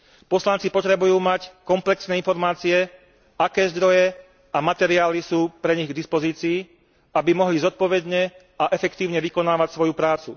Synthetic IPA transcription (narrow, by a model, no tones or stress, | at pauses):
pɔslant͡sipɔt̪ɾɛbujuːmackɔmplɛksnɛːinfɔɾmaːt͡siɛ | akɛːzd̪ɾɔjɛ | amat̪ɛɾiaːlisuːpɾɛɲiɣɡd̪ispɔziːt͡siː | abimɔɦlizɔt̪̚pɔʋɛd̪ɲɛ | aʔɛfɛkt̪iːʊɲɛʋikɔnaːʋacsʋɔjupɾaːt͡su